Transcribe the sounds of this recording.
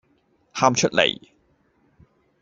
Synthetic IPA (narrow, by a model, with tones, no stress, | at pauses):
haː˥mt͡ʃʰɵ˥t̚lḛ˨˩j